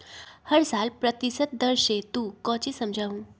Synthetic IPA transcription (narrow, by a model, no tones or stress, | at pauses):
həɾsaːlpɾət̪isət̪̚d̪əɾʃet̪ũːkɔ̃ːt͡ɕisɐmd͡ʒʱaːʋũ